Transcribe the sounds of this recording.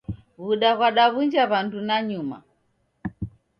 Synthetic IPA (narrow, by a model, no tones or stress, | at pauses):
βuɗaɣwaɗaβund͡ʒaβandunaɲuma̰